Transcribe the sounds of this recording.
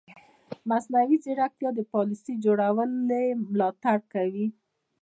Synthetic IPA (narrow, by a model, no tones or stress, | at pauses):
masnawiziɽak̚t̪jɑd̪əpɑlisəjd͡ʒoɽawəlemlɑt̪aɽkawi